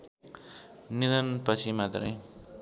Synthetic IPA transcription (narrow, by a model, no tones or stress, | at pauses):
nid̪ʌnpʌt͡sʰimat̪rʌj